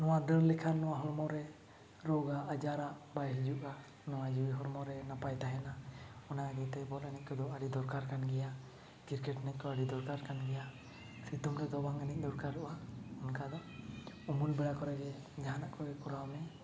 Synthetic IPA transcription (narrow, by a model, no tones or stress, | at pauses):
nɔwad̪əɾlɛkʰanɔwaɦɔɾmɔɾɛ | ɾɔɡaʔːd͡ʒaɾaʔbajɦid͡ʒuʔa | nɔwad͡ʒiwiɦɔɾmɔɾɛnapajt̪aɦɛnaɔnaaɡɛt̪ɛbɔlanɛc̚kɔd̪ɔaɽid̪ɔɾkaɾkanɡɛja | kiɾkɛʈnɛc̚kɔaɽid̪ɔɾkaɾkanɡɛja | sit̪umɾɛd̪ɔbaŋanɛc̚ˀd̪ɔɾkaɾuʔaɔnkad̪ɔumulbɛɽakɔɾɛɡɛ | d͡ʒaɦanaʔkɔɾɛkɔɾawmɛ